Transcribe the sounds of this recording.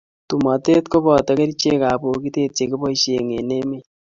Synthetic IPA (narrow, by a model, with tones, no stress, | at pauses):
tu˨ma˨te˦tko˦βɔ˨ta˦ke˦ɾi˦t͡ʃe˦ka˨βo˨ki˦te˦t͡ʃe˨ke˦βo˦i˦ʃe˨ŋe˨ne˦me˦